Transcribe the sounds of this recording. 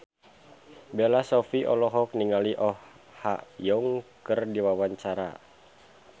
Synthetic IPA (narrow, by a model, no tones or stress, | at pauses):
belasɔfiʔɔ̰lɔɦɔk̚niŋaliʔɔh | ha̰ʔjɔŋkərdiwawaɲt͡ʃaɾa̰